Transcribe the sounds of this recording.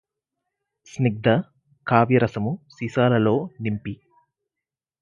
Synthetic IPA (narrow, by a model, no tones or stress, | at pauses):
sniɡ̚d̪ɐ | kaːʋɐɾɐsɐmusiːsaːlɐlo̞ːnimpi